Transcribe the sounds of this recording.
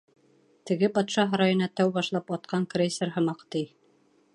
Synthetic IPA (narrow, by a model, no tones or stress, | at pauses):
t̪ɘ̆ɡɘpɑt̪ʃɑɦɤ̆ɾɑjŏnɑt̪æwbɑʃlˠɑpɑt̪̚qʰɑŋkrʲesʲerɦɤ̆mɑqt̪ij